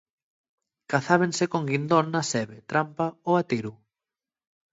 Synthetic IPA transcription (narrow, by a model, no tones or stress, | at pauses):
kaθaβ̞eŋsekoŋɡind̪onnɐsɛβet̪ɾampaoat̪iɾu